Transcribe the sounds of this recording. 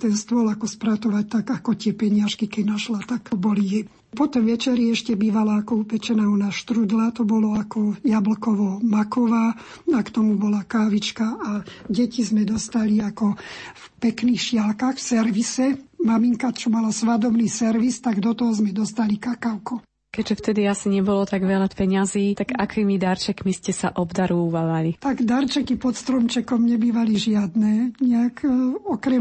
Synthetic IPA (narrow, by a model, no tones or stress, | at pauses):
t̪ɛnst̪ʊɔlakɔspɾat̪ɔʋac̚t̪aɡakɔt̪ɪɛpɛɲɪaʃkikɛɟnaʃlat̪akbɔlijɛ | pɔt̪ɔmʋɛt͡ʃɛɾiɛʃcɛbiːʋalaːkɔupɛt͡ʃɛnaːɦɔnaʃt̪ɾud̪lat̪ɔbɔlɔakɔjablkɔʋɔmakɔʋaː | akt̪ɔmubɔlakaːʋit͡ʃkaaɟɛcizmɛd̪ɔst̪aliakɔfpɛkniːxʃɪalkaxfsɛɾʋisɛmamiŋkat͡ʃɔmalasʋad̪ɔbniːsɛɾʋist̪aɡd̪ɔt̪ɔɦɔzmɛd̪ɔst̪alikakaʊku | kɛɟʒɛft̪ɛd̪iasiɲɛbɔlɔt̪aɡʋɛlapɛɲaziːt̪aɡakiːmid̪aɾt͡ʃɛkmiscɛsaʔɔbd̪aɾuːʋaʋalit̪aɡd̪aɾt͡ʃɛkipɔt̪st̪ɾɔmt͡ʃɛkɔmɲɛbiːʋaliʒɪad̪nɛːɲɛakɔkɾɛ